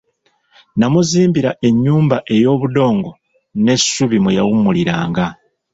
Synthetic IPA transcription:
namuziːmbiɾaʔe̞ɲːuːmbaʔe̞jo̞ːβudo̞ːŋɡo̞ | ne̞sːuβimwejawumuliɾa̰ːŋɡa

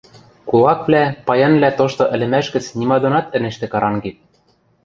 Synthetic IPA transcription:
kulˠɑkβlæpɑjɑnβlæt̪oʃt̪ŏʔɘ̆lɘ̆mæʃɡɘ̆t͡snimɑd̪ŏnɑt̪ɘ̆nɘ̆ʃt̪ĕkɑɾɑŋɡit̪̚

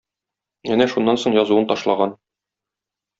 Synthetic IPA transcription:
ænæʃunːɑnsoɴjɒzuwɤnt̪ɒʃlˠɑʁɑn

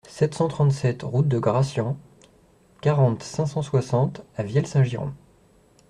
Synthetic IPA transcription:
sɛt̪sɑ̃t̪χɑ̃t̪sɛt̪ʁut̪̚d̪əɡʁasjɔ̃ | kaʁɑ̃t̪sɛ̃sɑ̃swasɑ̃t̪avjɛlsɛ̃ʒiʁɔ̰̃

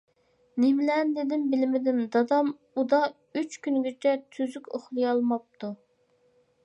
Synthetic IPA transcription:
nemlɛnd̪ɪd̪ɪnbɪlɪmɪd̪ɪnd̪ɑd̪ɑm | ud̪ɑ | yt͡ʃkʲynɡʲit͡ʃʰɛt̪ʰyzykʲoχlˠɨjɑlˠmɑp̚t̪ʰu

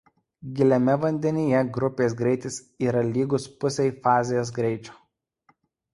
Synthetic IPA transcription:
ɡʲɪlʲɛmʲɛʋɐnʲd̪ʲɛnʲɪjɛɡɾʊpʲeːs̬ɡɾʲɛɪt̪ʲɪs | iːɾɐlʲiːɡʊspʊsʲɛɪfɑːzʲɪjoːs̬ɡɾʲɛɪt͡ʃʲo̥ː

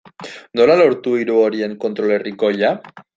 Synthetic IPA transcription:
no̞lalo̞ɾt̪uiɾuoɾie̞ŋko̞nt̪ɾo̞le̞riko̞ja

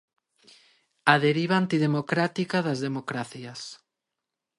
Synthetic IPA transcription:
aðeɾiβaːnt̪iðemokɾat̪ikaðazðemokɾaθjɐs

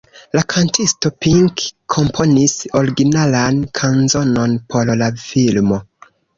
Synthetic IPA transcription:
lakʰantisto̞piŋkʰːo̞mpʰo̞niso̞ɾiɡinalankʰanzo̞no̞npʰo̞ɾlafilmo̞

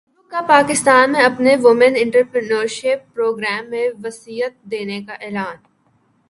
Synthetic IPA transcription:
ʊ̃kːapaːkɪst̪aːnmẽɐpneʋʊmə̃nɪ̃ɳʈəɾpɾənəːɾʃɪpːɾoːɡɾɛːmːẽʋɐsiːɦət̪̚d̪eːnekaʔɛːlaːn

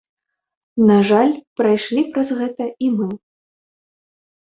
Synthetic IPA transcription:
naʐalʲpɾajʂlʲipɾɐzɣɛt̪ɐimɨ

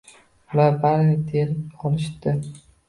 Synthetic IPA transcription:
ʊlaɾbaɾnɪd̪enɒlɪʃd̪ɪ

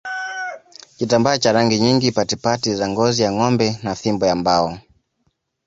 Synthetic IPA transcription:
kitambaːt͡ʃaɾaŋɡiɲiŋɡipatipatizaŋɡɔzijaŋɔmbɛnaθimbɔjambaɔ

